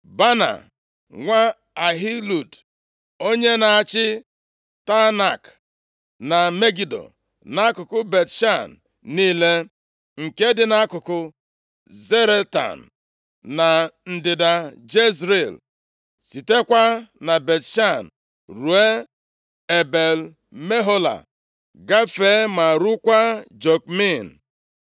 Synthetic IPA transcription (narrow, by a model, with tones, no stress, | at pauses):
ba˦na̰˨ | ŋʷa˦ | a˨ɦi˦lu˨d | o˦ɲe˦na˨a˨t͡ʃɪ˦ | ta˦na˨k | na˨me˦ɡi˨do̰˨ | na˦kʊ˨kʊ˦be˨tʃa˦˨n | niː˦le˦ | ŋ̩˨ke˦dɪ˦na˦kʊ˨kʊ˦ | ze˦ɾe˦ta̰˨n̩˨ | na˨n̩˨dɪ˨da˨d͡ʒe˦zɾe˨l | si˨te˦kʷa˦na˨be˨tʃa˦˨n˨ | ɾu˨˦e˦ | e˨be˨l | me˦ɦo˦la̰˨ | ɡa˦fe˦ma˨ɾu˦kʷa˦d͡ʒo˨k̚mi˦˨n̩˨